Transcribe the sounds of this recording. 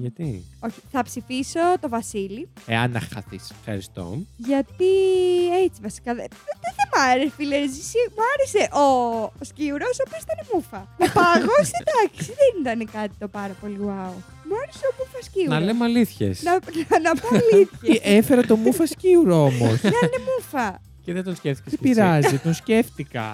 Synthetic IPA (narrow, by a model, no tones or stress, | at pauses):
ʝɐt̪io̞çi̥θɐpsifiso̞t̪o̞vɐsilieɐ̰nɐ̰xɐ̰θḭsfxɐ̰ɾist̪o̞̰ʝɐt̪iet͡sivɐsi̥kɐðeðeðemɐɾesfileɾzisimuɐɾese̞ʔosciuɾosopiosi̥t̪ɐnemufɐnɐpɐɣosid̪ɐksiðenit̪ɐnekɐt̪i̥t̪o̞pɐɾɐpo̞liwɐo | muɐɾeseomufɐsciunɐlemɐliθçḛsnɐnnɐpɐliθçɐefeɾɐt̪o̞mufɐsciuɾoomo̰snɐenemufɐ | ceðed̪onsceft̪icesipiɾɐzit̪o̞nsce̞ft̪ikɐ̰